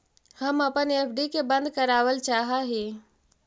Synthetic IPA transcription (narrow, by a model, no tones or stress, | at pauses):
hɐmɐpəneːpʰɖikebɐ̃nd̪̚kɐɾaːwəlt͡ʃaːɦaɦiː